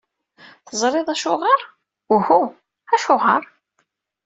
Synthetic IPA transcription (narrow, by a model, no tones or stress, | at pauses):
θəzˤɾˤeðˤæʃʊʁəɾ | uhu | æʃʊʁəɾˤ